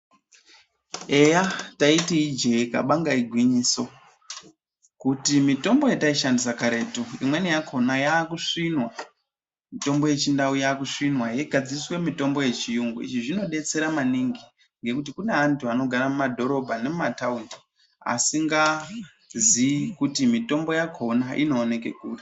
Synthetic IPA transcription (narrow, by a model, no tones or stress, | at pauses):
e̞jataitiid͡ʒe̞ka̰ɓaŋɡaiɡʱwiɲiːso̞ | kutimito̞mbo̞jetaiʃandis̬akaɾe̞tuḭmwe̞nijakʰo̞najaːkuʂinwa | mito̞mbo̞je̞t͡ʃindaujaːkuʂinwajeɡʱad͡ziswe̞mito̞mbo̞je̞t͡ʃijuŋɡuḭʐiʐino̞ɗe̞t͡se̞ɾamaniŋɡi | ŋɡe̞kut̬ikune̞antuano̞ɡʱaɾamumadʱo̞ɾo̞bʱane̞mumataundi | a̰siŋɡa | zikutimito̞mbo̞jakʰo̞naʔḭno̞ːne̞ke̞̰kuːri